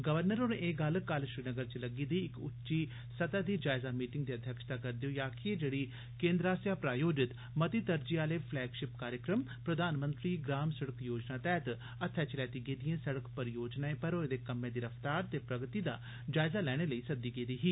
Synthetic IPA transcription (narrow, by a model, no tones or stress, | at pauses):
ɡəʋəɾnəɾoːɾeːɡəlkaːlʃɾiːnəɡəɾt͡ʃiləɡiːd̪iːɪkʊtːʃiː | sət̪aːd̪iːd͡ʒaːɪzaːmiːʈɪŋɡd̪iːəd̪ʱjəkʃt̪aːkəɾd̪ioːjaːkʰied͡ʒeːɽiː | kẽːnd̪ɾaːsjaːpɾaːjoːd͡ʒɪt̪ | mət̪iːt̪əɾd͡ʒiːaːleːpʰlɛːɡʃɪpkaːɾjəkɾəmpɾəd̪aːnmə̃nt̪ɾiːɡɾaːmsəɽəkjoːd͡ʒnaːt̪ɛːt̪ | ət̪ʰːɛt͡ʃlɛːt̪iːɡeːd̪ijẽːsəɽəkpəɾjoːd͡ʒnaːẽːpəɾoːd̪eːkəmːẽːd̪iːɾəfʰt̪aːɾt̪eːpɾəɡt̪iːd̪a̰ː | d͡ʒaːɪzaːlɛːɽ̃eːləiːsəd̪iːɡeːd̪iːɦiː